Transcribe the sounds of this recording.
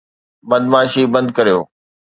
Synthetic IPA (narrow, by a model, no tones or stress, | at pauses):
bɐd̪maːʃibɐ̃nd̪kɐɾijoː